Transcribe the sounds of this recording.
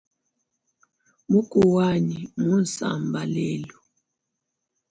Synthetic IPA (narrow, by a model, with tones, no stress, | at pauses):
mu˦kʼu˨wa˦ɲi˨mu˦n˨sa̰˨mba˨lɛː˦lu˨